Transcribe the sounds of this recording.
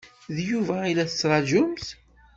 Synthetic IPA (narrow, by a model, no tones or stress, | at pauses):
ðjuvæilæθət͡sːɾˤɑd͡ʒʊmθ